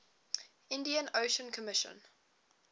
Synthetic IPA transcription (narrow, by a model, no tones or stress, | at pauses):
ɪ̃ndiə̃noʊʃə̃nkʰəmɪʃə̰̃n